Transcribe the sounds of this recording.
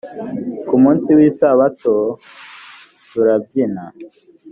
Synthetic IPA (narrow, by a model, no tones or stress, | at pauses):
kumuːnsiwiːsaβato | tuɾab̚ɟina